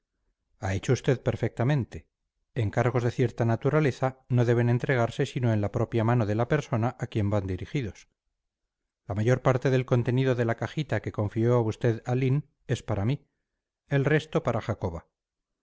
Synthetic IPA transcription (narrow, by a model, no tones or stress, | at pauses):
ae̞t͡ʃoust̪e̞ðpe̞ɾfe̞k̚t̪amẽ̞nt̪e̞ | eŋkaɾɣ̞o̞zðe̞θje̞ɾt̪anat̪uɾale̞θano̞ðe̞β̞e̞ne̞nt̪ɾe̞ɣ̞aɾse̞sino̞e̞nlapɾo̞pjamano̞ðe̞lape̞ɾso̞naʔakje̞mband̪iɾixiðo̞s | lamaʝo̞ɾpaɾt̪e̞ðe̞lko̞nt̪e̞niðo̞ðe̞lakaxit̪ake̞ko̞ɱfio̞aust̪e̞ðalin | e̞spaɾami | e̞lre̞st̪o̞paɾaxako̞βa